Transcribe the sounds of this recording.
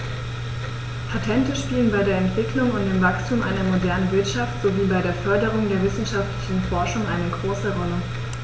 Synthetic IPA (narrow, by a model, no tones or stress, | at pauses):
pʰatʰɛntəʃpiːlənbaɪdeːɐɛntv̥ɪklʊŋʊnt̚d̥eːmvakstʰuːmʔa̰ɪnɐmodɛɐnənvɪɐtʃaftz̥oviːbaɪɾeːɐfœɐdəʁ̞ʊŋdeːɐvɪsn̩ʃaftlɪçn̩fɔɐʃʊŋʔaɪnəɡʁoːsəʁɔlə